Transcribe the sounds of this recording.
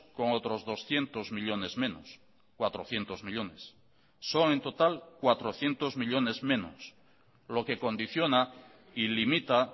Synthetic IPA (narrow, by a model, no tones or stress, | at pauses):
ko̞ŋot̪ɾo̞zðo̞sθje̞nt̪ozmiʎo̞ne̞zmẽ̞no̰s | kwat̪ɾoθje̞nt̪ozmiʎo̞nesː | o̞ŋẽ̞nt̪o̞t̪alkwat̪ɾoθje̞nt̪ozmiʎone̞zmẽ̞nos | lo̞ke̞ko̞nd̪iθjo̞na | ilimit̪a